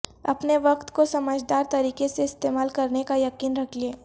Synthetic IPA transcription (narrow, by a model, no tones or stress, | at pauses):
ɐpneʋɐqt̪kosɐməd͡ʒd̪aːɾt̪ɐɾiːkeseɪst̪eːmaːlkɐɾnekajɐqiːnɾɐkʰlieː